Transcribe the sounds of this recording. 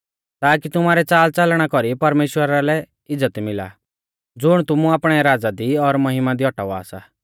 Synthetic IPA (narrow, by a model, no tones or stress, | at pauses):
t̪aːkit̪ʊmaːɾɛt͡saːlt͡sɐlɽ̃akɔɾipɐɾmeːʃwəɾalɛ | ɪd͡zət̪mɪla̰ | d͡zʊɽ̃t̪ʊmuaːpɽ̃ɛɾaːd͡zad̪iɔɾmɐɦɪmad̪iɔʈa̰ʋa̰ːsa